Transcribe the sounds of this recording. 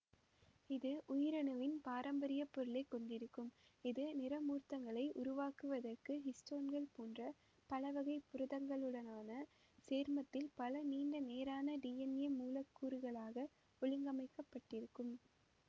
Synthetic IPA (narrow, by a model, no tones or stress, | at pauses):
ɪðɯʔʊjɪɾɐnɯʋɪnpaːɾɐmbɐɾɪjɐpːɔɾɯɭɐɪkːɔɳɖɪɾɯkːɯmɪðɯnɪɾɐmuːrt̪ɐŋɡɐɭɐɪʔʊɾʊʋaːkɯʋɐðɐrkɯɦɪsʈoːnɡɐɭpoːndrɐ | pɐlɐʋɐɣɐɪpːʊɾɯðɐŋɡɐɭɯɭɐnaːnɐ | seːɾmɐt̪ːɪlpɐlɐniːɳɖɐneːɾaːnɐɖiːɛnɛmuːlɐkːuːɾɯɣɐɭaːɣɐ | ɔɭɪŋɡɐmɐɪkːɐpːɐʈːɪɾɯkːɯm